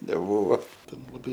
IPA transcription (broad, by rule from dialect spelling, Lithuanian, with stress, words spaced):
nʲɛˈbuːʋoː ˈtʲɛn lˠɐˈbɐɪ